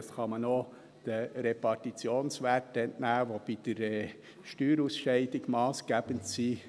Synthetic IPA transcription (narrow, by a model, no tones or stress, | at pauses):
sχɑməno | d̥əɾepɑɾtit͡sjoːnsʋæɾtɛntnæːʋob̥id̪̥əɾɛː | ʃtyːɾusʃɛɪdɪɡmɑːsɡ̥æb̥əntsiː